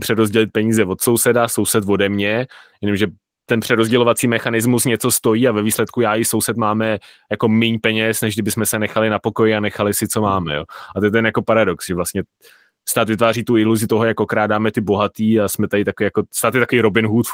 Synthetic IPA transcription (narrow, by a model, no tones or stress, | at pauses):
pr̝̥ɛɾozɟɛlɪt̪̚pɛɲiːzɛvot̪so̞wsɛdaso̞wsɛt̪vo̞dɛmɲɛjɛnomʒɛ | t̪ɛnpr̝̥ɛɾozɟɛlo̞vat͡siːmɛxanɪzmusɲɛt͡so̞st̪o̞jiːavɛviːslɛt̪kujaːjɪso̞wsɛt̪maːmɛ | jako̞mɪɲpɛɲɛsnɛʒɡdɪbɪsmɛsɛnɛxalɪnapo̞ko̞jɪanɛxalɪsɪt͡so̞maːmɛjoːat̪ɛt̪ːɛnjako̞paɾado̞ksʒɛvlast̪ɲɛ | st̪aːt̪vɪt̪vaːriːt̪uɪluzɪt̪o̞ɦojakokɾaːdaːmɛt̪ɪbo̞ɦat̪iːasmɛt̪aɪt̪akoviːjakost̪aːt̪jɛt̪akoviːɾo̞bɪnɦut̪